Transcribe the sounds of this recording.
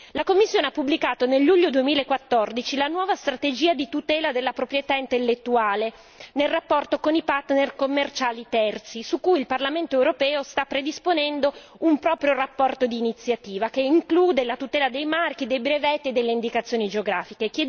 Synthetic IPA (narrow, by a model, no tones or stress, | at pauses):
lakomːisːjoːneapːubːlikaːt̪onelːuʎːod̪uemiːlaekːwat̪ːord̪it͡ʃilanwɔːvast̪ɾat̪ed͡ʒiːad̪it̪ut̪ɛːlad̪elːapɾopɾjet̪aint̪elːet̪ːuaːle | nelrapːɔrt̪okonipart̪nerkomːert͡ʃaːlit̪ɛrt̪sisukːujilparlament̪oewɾopɛːost̪apːɾed̪isponɛnd̪o | umpɾɔːpɾjorapːɔrt̪od̪iːnit̪sːjat̪iːvakeiŋkluːd̪elat̪ut̪ɛːlad̪ejmark̟id̪ejbɾevɛt̪ːied̪elːeind̪ikat̪sːjoːnid͡ʒeoɡɾaːfikekjɛ